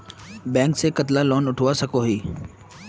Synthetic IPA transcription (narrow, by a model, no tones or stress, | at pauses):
bɛ̃ːŋksekɐt̪lalɔːnʊʈʰoʋasɐkoɦiː